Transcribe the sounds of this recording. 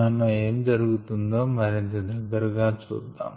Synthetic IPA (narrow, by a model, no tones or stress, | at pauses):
ɐnːue̞ːmd͡ʒɐɾuɡut̪und̪o̞ːmɐɾint̪ɐd̪ɐɡːɐɾɡaːt͡ʃṵːd̪ːa̰ːm